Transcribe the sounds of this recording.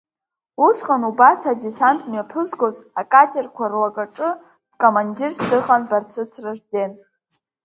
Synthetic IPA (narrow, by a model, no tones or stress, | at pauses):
usχʼanubastʰadesantʼmapʰɨsɡʼozakʼatʰʲʼerkʷʰarwakʼaʈ͡ʂʼɨ̥ | kʼomandirsdɨχʼanbart͡sʰɨt͡sʰrɨʐd͡zen